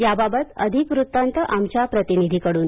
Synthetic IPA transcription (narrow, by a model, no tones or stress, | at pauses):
jababət̪ə̰d̪ʱikʋɾut̪ːant̪əʔamt͡ɕjapɾət̪inid̪ʱikəɽuːn